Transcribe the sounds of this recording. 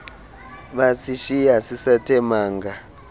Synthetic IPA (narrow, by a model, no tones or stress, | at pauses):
ɓasiʃijasisatʰɛmaːŋɡa